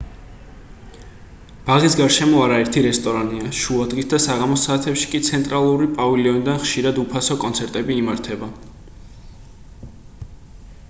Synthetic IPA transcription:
b̥aʁisɡaɾʃɛmɔaɾaɛɾt̪ʰiɾɛst̪ʼɔɾaniaʃuad̪ʁisd̪asaʁamɔsaːt̪ʰɛpʃi̥kʼit̪sʰɛnt̪ʼɾalˠuɾipʼaviliɔnid̪anχʃiɾad̪upʰasɔkʼɔnt̪sʰɛɾt̪ʼɛbiːmaɾt̪ʰɛba

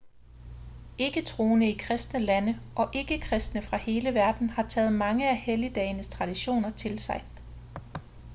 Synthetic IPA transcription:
e̝ɡ̥ət͡sʰʁo̝ːnəikʰʁɛsd̥nəlænəʔɒ̽ʔe̝ɡ̥əkʰʁɛsd̥nəfʁɑ̈he̝ːləʋæɐd̥n̩hɑ̈t͡sʰɛːð̞̩ˠmɑ̈ŋəæhelid̥ɛːɪnəst͡sʰʁɑ̈d̥iɕo̝̰ːnɐt͡sʰe̝lsɑ̈ɪ

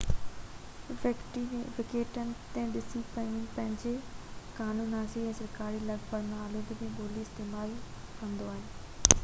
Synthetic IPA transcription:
ʋɐkʈimẽʋɪkeːʈənɪ̆t̪ẽɗɪsipɐpɐ̃ɦɪ̃ɲd͡ʑekaːnũːnaːsiɛ̃ːsɐɾkaːɾilɐɡfəɾmãaːloːd̪imẽboːliɪst̪eːmaːl | kɐ̃nd̪oaːɦɪnɪ̆

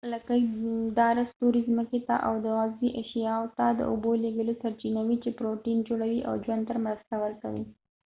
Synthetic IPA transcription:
lakajd̪ɑɾast̪oɾizməket̪a̰ʔawd̪əɣɑziʔeʃjɑot̪ad̪ə̰ʔʊboleɡəlosaɾt͡ʃinawit͡ʃepɾoʈind͡ʒoɽawiʔa̰wd͡ʒwand̪̚t̪əɾmɾəst̪awəɾka̰wḭ

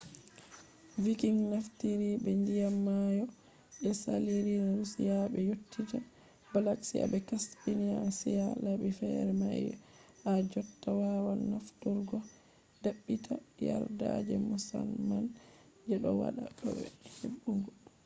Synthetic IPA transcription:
vikiŋnaftiɾibɛndijamːajɔ | ɓɛsa̰liɾinaɾusijabɛjotːid͡ʒa | balaksia̰bɛkasbiniasijalabifɛɾma | ʔad͡ʒɔtːawawaːaftuɾɡɔ | daɓːitʰaja̰ɾda̰d͡ʒɛmusalman | d͡ʒɛɗɔwa̰ɗaɗɔ̰bɛ̰heɓːuŋɡɔ

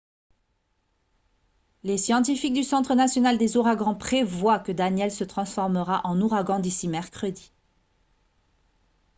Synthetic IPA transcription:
lesjɑ̃t̪̬ifik̚d̪ysɑ̃t̪χənasjɔnald̪ezuʁaɡɑ̃pχevwakəd̪anjɛlsət̪χɑ̃sfɔʁməʁaʔɑ̃nuʁaɡɑ̃d̪isimɛʁkχəd̪i

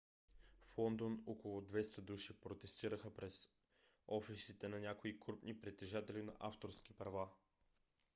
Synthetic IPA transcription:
flˠɔnd̪onokolˠʊd̪vɛst̪əd̪uʃipɾot̪ɛst̪iɾəxəpɾɛz | ɔfisit̪ɛnɐnʲjakoikɾupnipɾit̪ɛʒat̪ɛlinɐ̰ʔaft̪oɾsk̟ipɾɐva

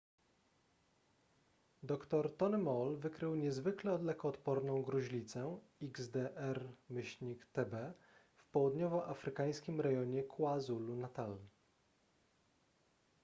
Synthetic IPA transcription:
d̪ɔkt̪ɔɾt̪ɔnɘmɔlvɘkɾɘwɲɛzvɘklɛɔd̪lɛkɔːt̪pɔɾnɔ̃w̃ɡɾuʑlʲit̪sɛ | iɡzd̪ɛʔɛɾmɘɕɲikt̪ɛbɛ | fpɔwud̪ɲɔvɔʔafɾɘkaj̃skʲimɾɛjɔɲɛkʰwazulunat̪al

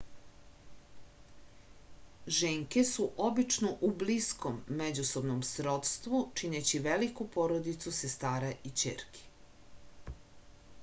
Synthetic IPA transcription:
ʒeːŋkesuʔobit͡ʃnoʔubliskomːed͡ʑuso̞bnomsɾo̞t̪st̪ʋut͡ʃinet͡ɕiʋelikupo̞ɾod̪it̪susest̪aːɾaʔit͡ɕḛɾkʰi̥

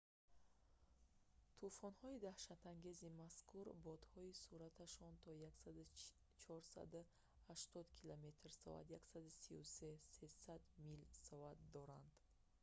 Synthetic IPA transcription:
t̪ʰufɔnhɔid̪ahʃat̪ʰaŋɡe̞zimaskʰuɾbɔd̪hɔisuɾat̪ʰaʃɔnt̪ʰɔjaksad̪u | t͡ʃʰɔɾsa̰d̪u | haʃt̪ɔd̪kʰilome̞t̪ʰrsɔ̰a̰d̪jaksad̪usiusese̞sad̪milsɔat̪̚d̪ɔɾand̪̥

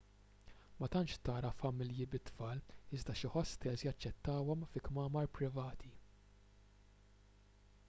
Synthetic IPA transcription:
mɐt̪ɐnt͡ʃt̪ɐːɾɐfɐmɪljɪbɪt̪ːfɐːlɪzd̪ɐʃɪħɔst̪ɛzjɐt͡ʃːɛt̪ːɐːwɔmfɪkmɐːmɐɾpɾɪvɐːt̪ʰi

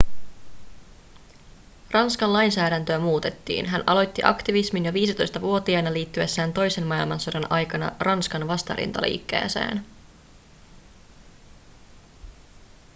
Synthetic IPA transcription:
rɑnskɑnlɑjnsæːɾænt̪øæmuːt̪e̞t̪ːḭːnɦænʔɑlo̞jt̪ːiʔɑ̰kt̪iʋisminjoʋiːsit̪o̞jst̪ɑʋuo̞t̪iɑnɑliːt̪ːyesːæːnt̪o̞jse̞nmɑilmɑnso̞dɑnʔɑjkɑnɑ̰rɑnskɑnʋɑst̪ɑ̰ɾḭnt̪ɑ̰lʔḭːkːḛːsḛːn

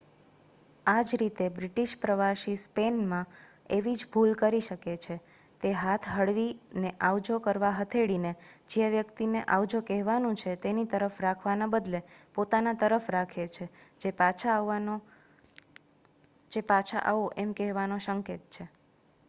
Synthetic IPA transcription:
ad͡ʒɾit̪ebɾiʈiʃpɾəʋaʃispenmã | eʋid͡ʒbʱulkəɾiʃəket͡ʃʰe | t̪eɦat̪ʰɦəɽʋineʔaʋd͡ʒokəɾʋaɦət̪ʰeɽined͡ʒeʋjəkt̪ineʔaʋd͡ʒokɛɦʋanũt͡ʃʰet̪enit̪əɾəfɾakʰʋanabəd̪lepot̪anat̪əɾəfɾakʰet͡ʃʰed͡ʒepat͡ʃʰao | d͡ʒepat͡ʃʰa̰ʔaʋoʔemkɛɦʋanoʃəŋket̪̚t͡ʃʰe

